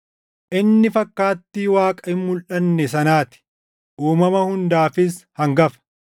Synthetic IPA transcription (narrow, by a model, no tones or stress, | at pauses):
ʔɪnːɪfɐkːaːt̪ːiːwaːkʼɐɪmːʊlʔɐnːɛsɐnaːt̪ɪ̥ | ʔuːmɐmɐhʊnd̪aːfɪshɐŋɡɐfɐ̥